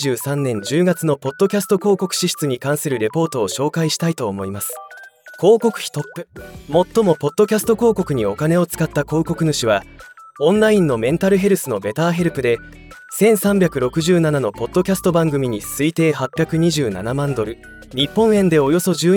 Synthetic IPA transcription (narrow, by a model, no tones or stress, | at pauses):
ʑɨːsãnːẽ̞ɲ̟d͡ʑɨːɡat͡sɨno̞po̞t̪ːo̞kʲasɨ̥t̪o̞ko̞ːko̞kɯ̟̥ɕiɕi̥t͡sɨɲ̟ikãɰ̃sɨɾɯ̟ɾe̞po̞ːt̪o̞ːɕo̞ːkaiɕi̥t̪ait̪o̞ːmo̞imasɨ̥ko̞ːko̞kɯ̟̥çi̥t̪o̞pːɯ̟mo̞t̪ːo̞mo̞po̞t̪ːo̞kʲasɨ̥t̪o̞ko̞ːko̞kɯ̟ɲ̟io̞kane̞o̞t͡sɨ̥kat̪ːako̞ːko̞kɯ̟nɯɕiβa | õ̞nɾaĩnːo̞mẽ̞nt̪aɾɯ̟ɦe̞ɾɯ̟sɨno̞be̞t̪aːɦe̞ɾɯ̟pɯ̟d̪e̞ | sẽ̞ɰ̃sãmbʲakɯ̟ɾo̞kɯ̟ʑɨːnanano̞po̞t̪ːokʲasɨ̥t̪o̞bãŋɡɯ̟mʲiɲ̟isɨit̪e̞ːhapʲːjakɯ̟ɲ̟iʑɨːna̰namãnd̪o̞ɾɯ̟ | ɲ̟ipːõ̞ɰ̃ẽ̞nd̪e̞o̞jo̞so̞ʑɨː